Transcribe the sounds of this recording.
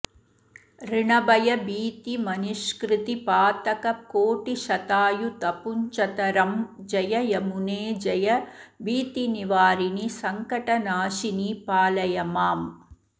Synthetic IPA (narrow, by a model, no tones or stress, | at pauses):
ɾɪɳɐbɐjɐbiːt̪imɐnʊʂkɾɪt̪ipaːt̪ɐkɐkoːʈːiʃɐt̪aːjut̪ɐpʊɲt͡ʃɐt̪ɐɾɐmd͡ʒɐjɐjɐmuneːd͡ʒɐjɐbiːt̪iniʋaːɾinisɐŋkɐʈɐnaːʂinipaːlɐjɐmaːm